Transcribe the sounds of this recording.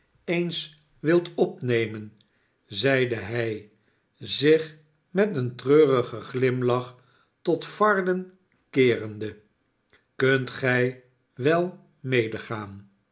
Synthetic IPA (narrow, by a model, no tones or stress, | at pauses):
ejns | ʋɪlˠtɔpnejmən | zɛjdəɦɛj | zɪχ | mɛtəntrøːʁəχəχlɪmlɑχ | tɔtfɑɹdən | kɪːrənd̪ə | kɵntχɛj | ʋɛlˠ | mejdəχaːn